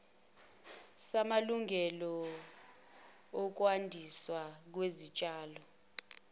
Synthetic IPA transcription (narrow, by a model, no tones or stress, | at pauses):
samaluŋɛlɔ | ɔk̬wandʱiswak̬wezit͡ʃʼaːlɔ